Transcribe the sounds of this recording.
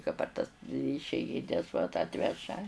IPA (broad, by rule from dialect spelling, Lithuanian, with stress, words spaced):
kɐ pɐr tɐs ɪʃʲɛɪˈɡʲɪnʲɛs ʋɐt ˈɑːtʲʋʲɛʒɐ